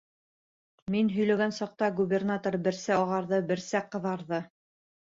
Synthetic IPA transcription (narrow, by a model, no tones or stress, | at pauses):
minɦɵ̆jlæɡænsɑq̚t̪ɑɡubʲernat̪oɾbɘ̆ɾsæɒʁɑɾðɤbɘ̆ɾsæqɤ̆ðɑɾðɤ